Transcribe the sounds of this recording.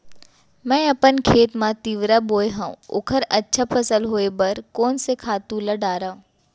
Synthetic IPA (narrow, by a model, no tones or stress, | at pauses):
mɛ̃ːɐpənkʰeːt̪mãt̪iːʋɾaboːjɦãṵ̃ʊ̰kʰəɾɐtːʃʰapʰɐsəlɦoːebɐɾkɔːnsekʰaːt̪ũlɐɖaːɾaːũ